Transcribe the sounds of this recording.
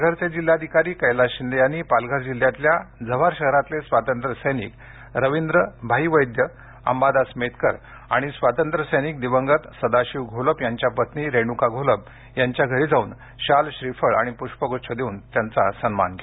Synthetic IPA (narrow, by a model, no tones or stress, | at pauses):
alɡʱəɾt͡sed͡ʑilːjad̪ʱikaɾiːkəjlaɕind̪ejañipalɡʱəɾd͡ʑil̤ːjãt̪ljad͡zəʋ̤aɾɕəɦɾat̪lesʋat̪ənt̪ɾəsəjnḭːk | ɾəʋind̪ɾəbʱaiʋəjd̪jə | a̰mbad̪asmet̪kəɾ | aɽ̃isʋat̪ənt̪ɾəsəjniːk̚d̪iʋəŋɡət̪səd̪aɕiːʋɡʱoləpjaɲt͡ɕjapət̪niːɾeɽ̃ukaɡʱoləp̚ | jaɲt͡ɕjaɡʱəɾiːd͡zauːn | ɕalɕɾifəɭaɽ̃ipuɕpəɡot͡ɕʰəd̪euːnt̪jant͡sasənma̰nɡʱe